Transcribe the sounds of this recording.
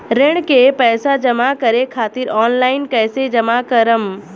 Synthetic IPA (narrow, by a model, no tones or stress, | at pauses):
ɾeɽ̃kepɛːsad͡ʒɐmakəɾekʰaːt̪iɾɔːnlaːɪnkɛːsed͡ʒɐmakəɾəm